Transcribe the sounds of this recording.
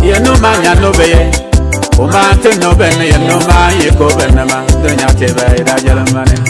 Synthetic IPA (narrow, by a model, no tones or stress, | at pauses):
jenomaɲanːobeje | oman̩tenobenːejenomaekobenːemateɲateβeedad͡ʒeɾemmane